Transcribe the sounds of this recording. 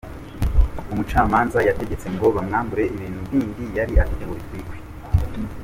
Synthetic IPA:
umut͡ʃaːmaːnzajate̞ɡe̞t͡se̞ŋɡo̞βamŋaːmbuɾe̞ʔiβiːnhuviːndijaɾiʔatiteɡoɾitwiːɡwe

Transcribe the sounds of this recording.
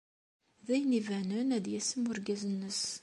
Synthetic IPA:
ðæjnivænənæd̪jæsəmʊɾɡæzənːəs

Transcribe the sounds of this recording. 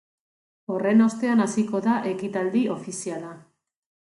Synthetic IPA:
o̞re̞no̞st̪e̞anasiko̞ðaʔe̞kit̪ald̪io̞fisiala

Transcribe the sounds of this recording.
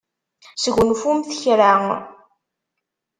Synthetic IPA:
səʝʷnfumθəçɾaŋ

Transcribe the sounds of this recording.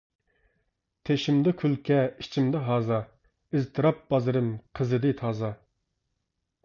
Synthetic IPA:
t̪ʰeʃimd̪ɪkʲʰylkʲʰɛit͡ʃʰimd̪ɨɦɑːzɑ | ɪzt̪ʰɨɾɑp̚b̥ɑzɨɾɨmqʰəzɨd̪ɨt̪ʰɑːzɑ

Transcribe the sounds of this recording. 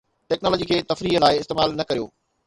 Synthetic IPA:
ʈɛːknɔːlɔːd͡ʑiːkʰeːt̪ɐfɾiːɦəlaːɪɪst̪eːmaːlnɐkɐɾijo̰ː

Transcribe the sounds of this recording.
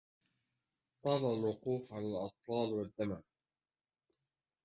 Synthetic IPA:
t̪ˤɑːlˤɑlwʊquːfʕalalʔɑt̪ˤfɑːlwad̪ːama

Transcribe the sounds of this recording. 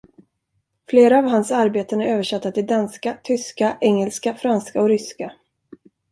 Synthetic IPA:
fleːɾaːvɦansaɾbeːt̪ənæɾøːvəʂɛt̪ːat̪ɪld̪anskat̪ʰʏskaʔɛŋːɛlskafɾanskaɔɾʏska

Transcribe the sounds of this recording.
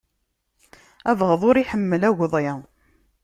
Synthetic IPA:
ævʁəðˤʊɾiħəmːəlæɣðˤe

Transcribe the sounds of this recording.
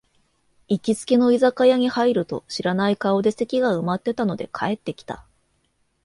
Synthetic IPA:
ikʲit͡sɨ̥ke̞no̞izakajaɲ̟ihaiɾɯ̟t̪o̞̰ɕiɾanaikaod̪e̞se̞kʲiɡaɯ̟mat̪ːe̞t̪ano̞d̪e̞̰kʰae̞t̪ːe̞kʲi̥t̪a̰

